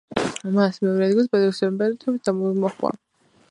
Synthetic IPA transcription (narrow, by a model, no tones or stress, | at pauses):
masmɛɔɾɛd̪ilˠs̬bɛd̪ɛksɔɾmbɛɾɛt̪ʰɛbit̪̚d̪amɔmɔχwa̰